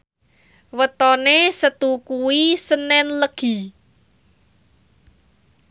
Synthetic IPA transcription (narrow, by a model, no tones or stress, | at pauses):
wət̪ɔnesət̪ukuwisənɛnləɡ̥i̤